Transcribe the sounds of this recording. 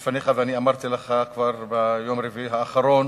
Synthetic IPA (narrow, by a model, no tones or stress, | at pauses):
faneχaveaniamaʁt̪ileχakvaʁbejomʁiviɦaːχaɾo̞n